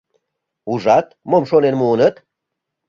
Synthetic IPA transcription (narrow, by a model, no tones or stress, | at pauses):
uʒɑt̪momʃonenmuːnət̪